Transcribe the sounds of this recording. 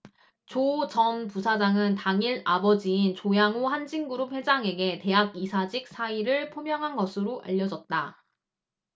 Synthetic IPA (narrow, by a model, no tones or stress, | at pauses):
t͡ɕot͡ɕʌmpusʰad͡ʑaŋɯntaŋiɾabʌd͡ʑiːnt͡ɕojaŋohand͡ʑiŋɡuɾup̚he̞d͡ʑaŋe̞ɡe̞te̞ɦaɡ̚isʰad͡ʑik̚s͈ʰaiɾɯɭpʰomjʌŋɦanɡʌsʰɯɾoʔa̰ʎːʌd͡ʑʌt̚t͈a